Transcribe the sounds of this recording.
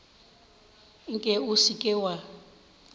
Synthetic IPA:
ŋ̩kʼɛusikʼɪwa

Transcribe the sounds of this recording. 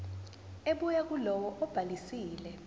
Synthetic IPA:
eɓujak̬ulɔwɔʔɔb̥ʱalisiːlɛ

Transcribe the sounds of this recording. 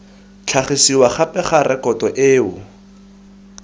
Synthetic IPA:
t͡ɬʰaχisiwaχapɛχaɾɛkɔtɔʔeːʊ

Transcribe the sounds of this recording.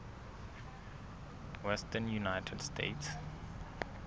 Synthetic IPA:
wɛstənjunaɪtʰɛdstʰḛɪts

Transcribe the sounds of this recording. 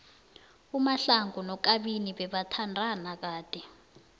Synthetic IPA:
umaɬaŋɡunɔk̬aɓiniɓɛɓatʰandʱanak̬aːd̥ʱɛ

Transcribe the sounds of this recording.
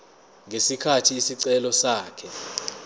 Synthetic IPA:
ŋʱesikʰatʰiːsiǀɛlɔsaːkʰɛ

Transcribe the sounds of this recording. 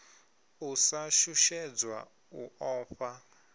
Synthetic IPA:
usaʃuʃɛd͡zwa̰ | uɔːɸa

